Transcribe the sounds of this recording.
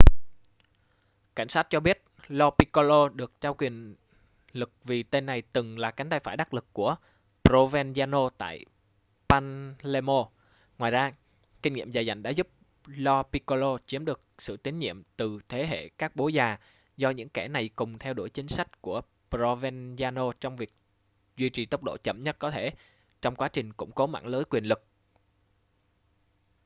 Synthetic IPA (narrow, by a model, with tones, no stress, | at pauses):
ka̰˧˩jŋ̟saː˦˥t̚t͡ɕɔ˧ɓi˦˥ət̚ | lɔ˧pi˧ko˧lo˧ɗɨ˨˩ək̚t͡ɕaː˧wkwi˨˩ən | lɨ˨˩k̚vi˨˩t̪e˧nːa˨˩jt̪ɨ˨˩ŋlaː˨˩ka˨˦jŋ̟t̪a˧jfaː˧˩jɗa˦˥k̚lɨ˨˩kːu˧˩ə | pɾo˧vɛ˧nzaː˧no˧t̪a̰ː˧˨j | paː˧nle˧mo˧ | ŋwaː˨˩jzaː˧ | ki˧ŋ̟ŋḭ˧˨əmzaː˨˩jza̰˧˩jŋ̟ɗa̰ː˧˥zu˦˥p̚ | lɔ˧pi˧ko˧lo˧t͡ɕi˨˦əmɗɨ˨˩ək̚sɨ̰˧˨t̪i˨˦ŋ̟ɲḭ˧˨əmt̪ɨ˨˩t̪ʰe˨˦ɦḛ˧˨kaː˦˥k̚ɓo˨˦zaː˨˩ | zɔ˧ɲɨ̰˧˥ŋkɛ˧˩na˨˩jkʊ˨˩ŋ͡mt̪ʰɛ˧wɗo̰˧˩əjt͡ɕï˨˦ŋ̟sa˦˥jk̟̚ku˧˩ə | pɾo˧vɛ˧nzaː˧no˧t͡ɕɔ˧wŋ͡mvi˨˩ək̚ | zwi˧t͡ɕi˨˩t̪ə˦˥wk͡p̚ɗo̰˧˨t͡ɕə̰˧˩mɲə˦˥t̚kɔ˨˦t̪ʰe˧˩ | t͡ɕɔ˧wŋ͡mkwaː˨˦t͡ɕï˨˩ŋ̟kʊ̰˧˥ŋ͡mko˨˦ma̰ː˧˥˨ŋləː˨˦jkwi˨˩ənlɨ˨˩k̚